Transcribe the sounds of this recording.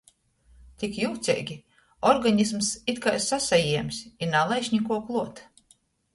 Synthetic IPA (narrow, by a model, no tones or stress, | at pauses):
t̪ʲikjuwt̪sʲɛ̰ːjɡʲi | ɔɾɡaɲis̬msit̪kajsasajiɛmsʲinalˠajʃɲʲikuɔklˠuɔt̪